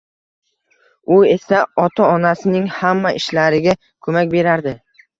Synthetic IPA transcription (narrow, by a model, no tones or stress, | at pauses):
ʊe̞saɒt̪ʰaɒnasɪnɪŋhamːaʔɪʃlaɾɪɡʲa | kʰɵmakʲbe̞ɾaɾd̪ɪ